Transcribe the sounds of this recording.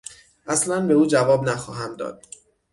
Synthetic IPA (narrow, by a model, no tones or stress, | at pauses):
ʔæslænbe̞uːd͡ʒævɒːbnæxɒːɦæmd̪ɒ̰ːd̪̥̚